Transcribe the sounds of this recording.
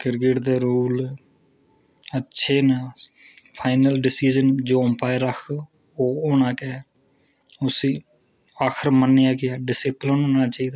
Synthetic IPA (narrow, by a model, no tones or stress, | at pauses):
kɪɾkɪʈd̪eːɾuːl | ətːʃʰeːnaː | pʰaːɪnəlɖɪsiːd͡ʒənd͡ʒoːmpaːeɾəkʰ | oːoːnaːkɛː | ʊsiː | aːkʰəɾmənːɪjaːkɪaːɖɪseːplənɦoːnaːt͡ʃaːiːd̪aː